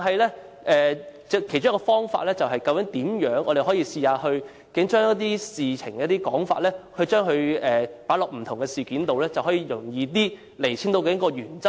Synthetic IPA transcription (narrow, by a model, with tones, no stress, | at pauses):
ɦɐ˨jlɛ˥ | ʔɛː˨t͡sɛ˧kʰe˨˩t͡ʃʊ˥kːɔː˧fɔː˥ŋfa̰ː˧t̚lɛː˥t͡sɐ˨wɦɐ˨jkɐ˧wkɪ˨˥ŋt̪iː˨˥mjœː˨˥ŋʔɔː˨˧e˨jɦɔː˨˥jiː˧siː˧haː˧hɵ˧ɥ | kɪ˨˥ŋt͡ʃœː˥ŋ˥t̚t̪iː˥siː˨t͡sʰɪ˨˩ŋkɛ˧˦˥t̪iː˥kɔː˨˥ŋfa̰ː˧t̚lɛː˥hɵ˧ɥt͡ʃœː˥ŋɦɵ˧ɥɛː˨paː˨˥lɔː˨k̚m̩˨˩t̪ʰʊ˨˩ŋkɛ˧siː˨kiː˨˥nt̪o˨wlɛː˥t͡sɐ˨whɦɔː˨˥jiː˧jʊ˨˩ŋjiː˧t̪iː˥ | le˨˩jt͡ɕʰiː˨˥nt̪o˧wkɛː˧jɐ˥kɔː˧jyː˨˩nt͡sɐ˥